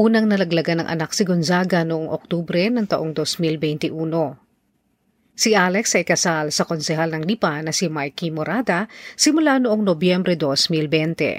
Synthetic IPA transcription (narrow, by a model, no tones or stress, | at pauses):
ʔuːnɐŋnɐlɐɡlɐɡanɐŋʔɐ̰nak̚sɪɡonzaɡɐnʊʔoŋʔok̚t̪uːbɾɛnɐŋt̪ɐʔoŋd̪osmilbɛjnt̪ɪʔuːno̞ | siʔalɛksɐʔɪkɐsalsɐko̞nsɛɦalnɐŋlipanɐsimajkimoɾad̪ɐsɪmʊlanoʔoŋnobjɛmbɾɛd̪osmilbɛnt̪ɛ̰